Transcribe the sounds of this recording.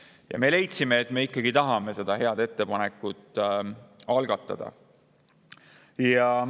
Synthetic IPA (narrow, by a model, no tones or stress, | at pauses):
jɑ̰me̞le̞jt̪sime̞ːt̪me̞ikːˑɑɡ̥it̪ɑɦɑme̞se̞d̪̥ɑɦe̞ɑd̪̥e̞t̪ːe̞pɑne̞kːˑut̪ːˑ | ɑlɡ̥ɑt̪ˑːɑ̰d̪̥ɑ̰ | jɑ